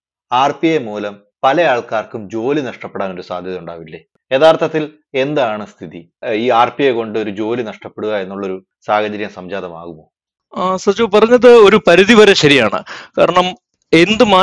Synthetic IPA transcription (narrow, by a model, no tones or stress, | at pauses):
aːrpiemuːlɐm | pɐlɐjaːɭkaːrkumd͡ʑo̞ːlinɐʂʈɐpːeɽaːno̞ɾusaːd̪ʱjɐðɐuɳɖa̰ːʋilːe | e̞ːðaːrt̪ʰːɐt̪ːil | e̞nd̪aːɳɨst̪ʰiðiiːaːrpijeko̞ɳɖɨo̞ɾud͡ʑo̞ːlinɐʂʈɐpːeɽuɣɐe̞nːuɭːo̞ɾu | saːhɐd͡ʑɐɾjɐmsɐmd͡ʑaːðɐma̰ːɣumo̰ː | sɐt͡ɕoːpɐrɐɲːɐðɨo̞ɾupɐɾuðiʋɐɾɐɕɐɾijaːɳɨ̰kaːɾɐɳɐm | e̞nd̪ɨmaː